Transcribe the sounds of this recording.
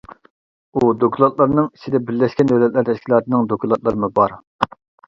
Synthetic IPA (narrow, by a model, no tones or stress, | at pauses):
ud̪okʰʲulˠɑt̪̚lˠɑɾnɨŋit͡ʃʰid̪ɛbɪɾlːɛʃkʲɛnd̪ɛwlɛt̪læɾt̪ʰɛʃkʲilˠɑːt̪ʰɨnɨŋd̪okʰʲlˠɑt̪lˠɨɾɨmubɑɾ